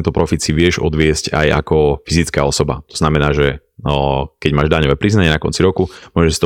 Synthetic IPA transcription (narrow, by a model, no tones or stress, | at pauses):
nt̪ɔpɾɔfit̪siʋɪɛʒɔ̰d̪ʋɪɛsca̰ja̰kɔfizit͡skaːɔsɔba̰t̪ɔ̥z̥namɛnaːʒɛ | kɛɟmaːʒd̪aɲɔʋɛːpɾiznaɲɛnakɔ̰nt͡siɾɔkumʊɔʒɛsi̥t̪ɔ